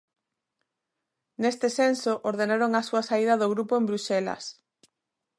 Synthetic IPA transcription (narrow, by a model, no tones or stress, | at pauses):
nest̪ɪsensoʔoɾðenaɾoŋasuɐsaið̞ɐðoɣɾupoembɾuselɐ̰s